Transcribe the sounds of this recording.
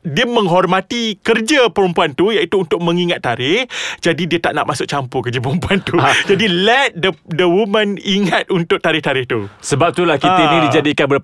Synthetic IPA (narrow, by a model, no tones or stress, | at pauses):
diəmə̃ŋɦɔrmãt̪ikərd͡ʒəpəɾəmpuant̪ujait̪uːnt̪ʊk̚mə̃ŋiŋat̪ːaɾɪhd͡ʒadidiət̪aʔna̰ʔmasʊk̚t͡ʃampukərd͡ʒəpəɾəmpuant̪ud͡ʒadilɛt̪̚dədəwumə̃niŋat̪̚unt̪ʊk̚t̪aɾɪht̪aɾɪht̪ṵsəbap̚t̪ulahkiat̪ainidid͡ʒadikanbə